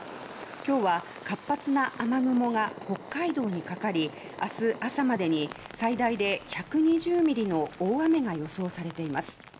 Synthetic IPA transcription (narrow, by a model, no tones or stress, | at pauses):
kʲo̞ːβa | kapːat͡sɨnaʔamaɡɯ̟mo̞ɡaho̞kːaid̪o̞ːɲ̟ikakaɾʲi | asɨʔasamad̪e̞ɲ̟i | said̪aid̪e̞çakɯ̟ɲ̟iʑɨːmʲiɾʲino̞oːame̞ɡajo̞so̞ːsaɾe̞t̪e̞imasɨ̥